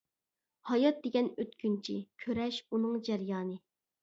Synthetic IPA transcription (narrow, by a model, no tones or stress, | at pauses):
hɑjɑt̪̚d̪eɡʲɛnøt̪kʲynt͡ʃʰḭkʲʰøɾɛʃunɨŋd͡ʒɛɾjɑːnɨ